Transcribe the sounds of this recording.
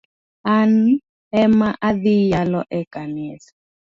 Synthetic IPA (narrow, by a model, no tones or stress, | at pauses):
an | ɛmaʔaðijalɔʔɛkanɛsḁ